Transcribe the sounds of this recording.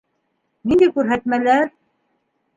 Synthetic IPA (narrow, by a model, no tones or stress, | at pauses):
nind̪ækʉɾɦæt̪mælæɾ